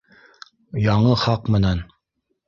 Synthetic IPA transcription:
jɑɴɤχɑqmɤ̆nɑn

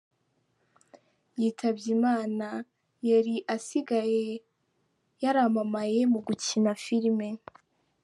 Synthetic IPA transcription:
jiːtʰabɟimaːna | jaɾiʔasiɡaje̞ | jaɾamamaje̞muɡucinafiɾme̞

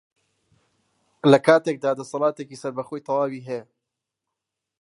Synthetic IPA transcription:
lɐkʰaːt̪eːk̚d̪aːd̪ɐsɑlˠɑːt̪ekiːsɐɾbɐxoːjt̪ʰɑwaːwiːɦɛj

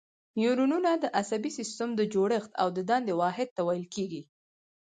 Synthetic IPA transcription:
njuɾununad̪əʔasabisɪst̪amd̪əd͡ʒoɽəxt̪a̰wd̪əd̪ɑnd̪ewɑɦɪd̪̚t̪ːawajəlkeɡi

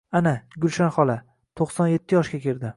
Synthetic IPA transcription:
anaɡʲʊlʃanχɒlˠa | t̪ʰoqsɒnje̞t̪ʰːɪjɒʃkʲakʲʰeɾd̪ɪ

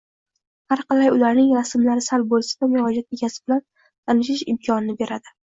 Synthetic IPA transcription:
haɾqɑlajʊlaɾnɪŋɾasɪmlaɾɪsalbolˠsḁd̪amʊɾɒd͡ʒat̪e̞ɡʲasɪbɪlan | t̪ʰanɪʃɪʃɪmkʰɒnɪnɪbe̞ɾad̪ɪ

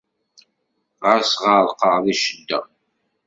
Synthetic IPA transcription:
ʁəɾsʁɑɾˤqəʁðiʃəd̪ːæ̰

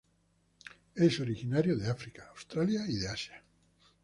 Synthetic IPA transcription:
esoɾixinaɾjoðeafɾikaːwst̪ɾaljaiðeasja

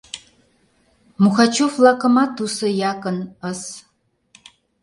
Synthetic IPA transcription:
muxat͡ʃʰuflakʼəmat̪ʰusɨjaːkʼənəs

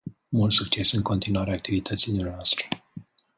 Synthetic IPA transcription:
mult̪suk̚t͡ʃe̞sɨŋko̞nt̪inuwaɾeak̚t̪ivit̪ʰət̪sinimʲeaast̪ɾə̥

